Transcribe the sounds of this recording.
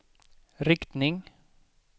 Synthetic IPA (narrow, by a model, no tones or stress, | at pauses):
ɾɪkt̪nɪŋ